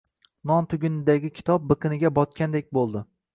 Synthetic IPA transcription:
nɒnt̪ʰʊɡʲʊnɪd̪aɡʲɪkʲʰɪ̥t̪ʰɒp̚bɨqʰɨnɪɡʲabɒt̪̚kʲand̪ek̚ʲbolˠd̪ɪ

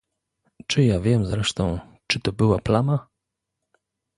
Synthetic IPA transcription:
t͡ʂɘjavʲjɛmzɾɛʂt̪ɔ̃w̃ | t͡ʂɘt̪ɔbɘwaplama

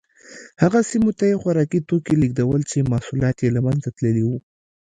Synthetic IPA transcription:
haɣasimot̪ajexwaɾɑkit̪okeliɡ̚d̪awəlt͡ʃemɑsulɑt̪jelamanzat̪ləliwu

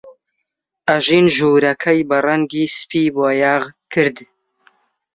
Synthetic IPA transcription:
ʔɐʒiːnʒuːɾɐkʰɐjbɐrˤɐŋɡiːspiːboːjaːʁkʰɨɾd̪

